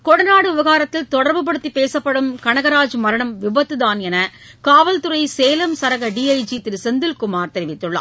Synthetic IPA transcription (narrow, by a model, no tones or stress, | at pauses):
kɔɽɐnaːɽɯʊbɐɣaːɾɐt̪ːɪlt̪ɔɽɐɾbɯp̬ɐɽɯt̪ːipeːsɐpːɐɽɯmkɐɳɐɣɐɾaːd͡ʒmɐɾɐɳɐmʋɪbɐt̪ːɯðaːnɛnɐ | kaːʋɐlt̪ɯɾɐɪseːlɐmsɐɾɐɣɐɖiːɐɪd͡ʒit̪ɪɾɯsɛnd̪ɪlkʊmaːɾt̪ɛɾɪʋɪt̪ːɯɭːɐ̰ː